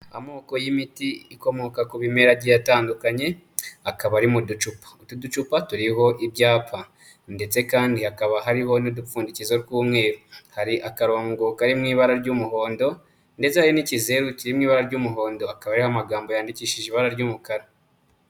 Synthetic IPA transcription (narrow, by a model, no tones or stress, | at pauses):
a̰mo̞ːko̞jimitiiko̞mo̞kakuβime̞ɾaɟijataːndukaɲe̞ | akaβaɾimudut͡ʃupḁutudut͡ʃupatuɾiɦo̞ʔibɟaːpʰa | nde̞t͡se̞kaːndihakaβaɦaɾiɦo̞nidufuːndicizoɾkuːmŋe̞ːɾuhaɾiʔakaɾo̞ːŋɡokaɾimŋiːβaɾaɾɟuːmuɦo̞ːndo̞ | nde̞t͡sehajonicize̞ɾuciɾimŋiːβaɾaɾɟuːmuɦo̞ːndo̞akaβaaɾihoamaɡaːmbo̞jaːndiciːʃiʒeiβaɾaɾɟuːmukaɾa